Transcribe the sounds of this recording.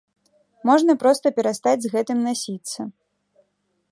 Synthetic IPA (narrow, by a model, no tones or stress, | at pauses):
mɔʐnɐpɾɔst̪ɐpʲɛɾast̪ad͡zʲzɣɛt̪ɨmnasʲit̪sːɐ